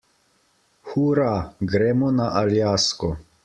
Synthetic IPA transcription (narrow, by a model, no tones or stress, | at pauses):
xuɾaɡɾɛːmɔnaʔaljaːskɔ